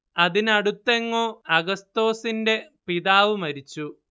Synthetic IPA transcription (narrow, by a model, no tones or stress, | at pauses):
ɐðinɐɽut̪ːe̞ŋːo̞ːɐɡɐst̪o̞ːsinde̞piðaːʋumɐɾit͡ɕːu